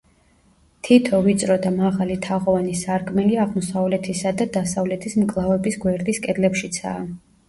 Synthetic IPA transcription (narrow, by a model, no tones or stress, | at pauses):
t̪ʰit̪ʰɔvit̪sʼɾɔd̪amaʁalit̪ʰaʁɔvanisaɾkʼmɛliaʁmɔsavlɛt̪ʰisad̪ad̪asavlɛt̪ʰismkʼlˠavɛbisɡwɛɾd̪iskʼɛd̪lɛpʃit̪sʰa̰ː